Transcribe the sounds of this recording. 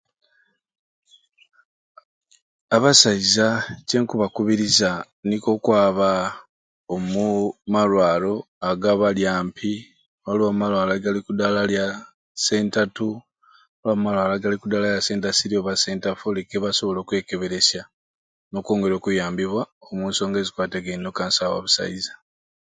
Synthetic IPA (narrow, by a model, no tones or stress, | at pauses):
aβasaizace̞ŋkuβakuβiɾiza | niko̞kwaːβa | omumalwaːlo̞ | aɡaβaljaːmpʰi | olomumalwaːlaɡalikudalalja | se̞ːntatu | olamumalwaːlaɡalikudalajase̞ːntasiɾioβase̞ːntafolekeβaso̞βo̞lo̞ːkwe̞ːke̞βe̞ɾe̞sja | no̞ːkoːŋɡe̞ɾo̞ːkujaːmbiβwaomuːnso̞ːŋɡe̞zikwaːteɡennokaːnsawa̰βusa̰izḁ